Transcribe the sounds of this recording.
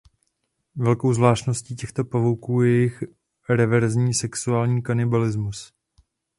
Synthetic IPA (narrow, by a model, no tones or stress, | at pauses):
vɛlko̞wzvlaːʃtno̞sciːcɛxt̪o̞pavowkuːjɛɛjɪx | ɾɛvɛɾzɲiːsɛksuaːlɲiːkanɪbalɪzmus